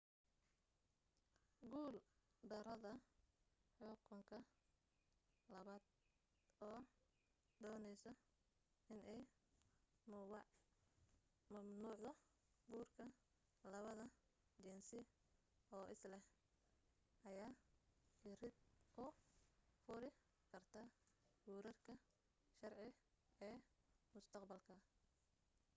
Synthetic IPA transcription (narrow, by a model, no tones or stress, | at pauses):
ɡuːld̪ɐɾɐðɐ | ħʊkʰʊŋkʰɐ | lɐβaːd̪ | ɔː | d̪ɔːnɛjsɔ | ɪnɛj | mʊwɑ | mɐmnuːʕðɔ | ɡuːrkʰɐ | lɐβɐðɐ | t͡ʃɛnsɪ | ɔːʔɪslɛh | ʔɐjaː | ɪɾɪd̪ʔʊ | fʊɾɪ | kʰɐrt̪ʰaɡuːɾɐrkʰɐ | ʃɐrʕɪ | ɛːmʊst̪ʰɐqbɐlkʰɐ